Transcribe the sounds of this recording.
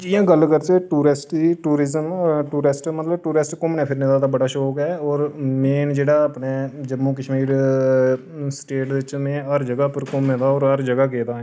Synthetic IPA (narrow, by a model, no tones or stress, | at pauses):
ijãːɡəlːkəɾt̪eːʈuːɾɪsʈiːʈuːɾɪzəmʈuːɾɪsʈmət̪ləbʈuːɾɪsʈkʊmnɛ̃ːpʰɪɾneːd̪aːd̪aːbəɽaːʃoːkɛːɔːɾmeːnd͡ʒeːɽaːəːpneːd͡ʒəmːuːkəʃmiːɾ | sʈeːʈd̪ɪt͡ʃmẽːɦəɾd͡ʒəɡaːpəɾkʊmːẽːd̪aːɔːɾəɾd͡ʒəɡaːkeːd̪ãː